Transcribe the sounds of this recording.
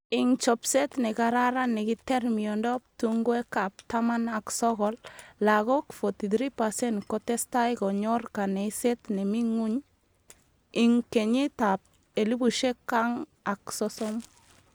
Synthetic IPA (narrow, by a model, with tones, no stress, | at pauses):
i˨ŋt͡ʃɔ˨pse˦tne˨kaɾaɾa˦ne˨ki˦te˦ɾmiɔ˨ndɔ˦p̚tuŋɡwe˦ka˨p̚tama˦na˨ksɔ˦ɣɔ˨lla˨ɣo˦kfo˨ti˨d̪ɾi˦pa˨se˦nkɔte˦sta˦jkɔ˨ɲɔrka˨ne˨se˦t̪ne˨mi˦ŋu˦ɲ | i˨ŋke˨ɲi˦tap̚ | e˨li˦bu˨ʃe˦kːa˦ŋa˨ksɔsɔm